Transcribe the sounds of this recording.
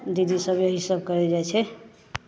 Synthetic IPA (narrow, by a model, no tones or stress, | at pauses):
d̪id̪isəbjɦisəbkəɾɛd͡ʒajt͡ʃʰɛ